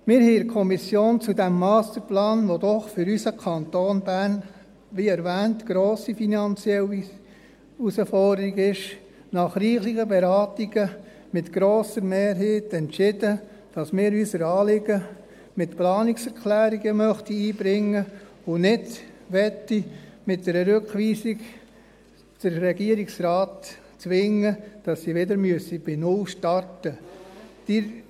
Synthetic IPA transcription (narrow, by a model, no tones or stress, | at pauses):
mɪːɾhɛɪkʰɔmisjoːnt͡sudæmːɑːst̪əɾplɑːnʋodɔχfʏɾysəkʰɑnt̪oːnbæɾn | ʋiɛɾʋæːntɡ̥ɾoːsifinɑnt͡sjɛli | usəfɔrdəɾiɡɪʃ | nɑχɾiːχlɪɡəbɛɾɑːtiɡ̥ə | mɪtɡ̥ɾoːsəɾmeːɾɦeːtɛnt͡ʃɪd̥ə | d̥ɑsmɪːɾyːsəɾɑːlɪɡə | mɪtplɑːnɪksɛɾkʰlæːɾiɡəmœχtiiːbɾɪŋːə | ʊnɪdʋɛtːimɪt̚d̥ɛɾəɾøkʋiːsiɡ | d̥əɾːɛɡiːəɾiksraɑːt | t͡sʋɪŋəd̥ɑsːiʋɪdəɾmyəsib̥ɪnʊlʃtɑrtəd̥ɪ